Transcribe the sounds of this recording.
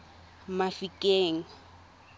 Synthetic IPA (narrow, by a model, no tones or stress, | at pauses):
mafikʼeːŋ̩